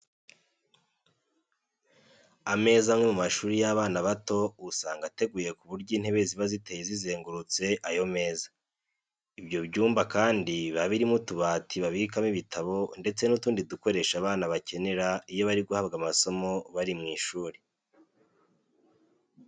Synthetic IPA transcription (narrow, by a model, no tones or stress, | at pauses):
ame̞ːzamŋe̞mumaʃuːɾijaβaːnaβato̞usaːŋɡate̞ɡuje̞kuβuɾɟiːn̥he̞βe̞ziβazite̞jizize̞ːŋɡuɾut͡se̞ʔajo̞me̞ːzḁ | ibjo̞βɟuːmbakaːndiβaβiɾimutuβaːtʰiβaβikamiβitʰaβo̞nde̞t͡se̞nutuːndiduko̞ɾe̞ʃaβaːnaβace̞ne̞ɾaijo̞βaɾiɡuhabɡamaso̞mo̞βaɾimŋiːʃuːɾe